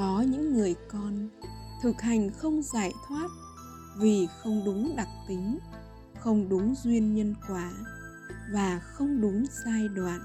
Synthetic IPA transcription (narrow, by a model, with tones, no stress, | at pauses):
kɔ˨˦ɲɨ̰˧˥ŋːɨ˨˩əjkɔ˧n | t̪ʰɨ˨˩k̚ha˨˩jŋ̟xə˧wŋ͡mza̰ː˧˩jt̪ʰwaː˦˥t̚ | vi˨˩xə˧wŋ͡mɗʊ˨˦ŋ͡mɗa˨˩k̚t̪i˨˦ŋ̟ | xə˧wŋ͡mɗʊ˨˦ŋ͡mzwi˧ənɲə˧nkwaː˧˩ | vaː˨˩xə˧wŋ͡mɗʊ˨˦ŋ͡msaː˧jɗwa̰ː˧˨nʔ